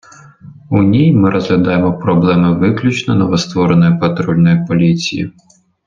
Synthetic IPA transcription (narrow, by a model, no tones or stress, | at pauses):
unʲijmɪɾʔɔzɦlʲɐd̪ajemɔpɾɔblˠɛmɪʋɪklʲut͡ʃnɔnɔʋɔst̪ʋɔɾenɔjʊpɐt̪ɾɔlʲnɔjʊpɔlʲit͡sʲḭjḭ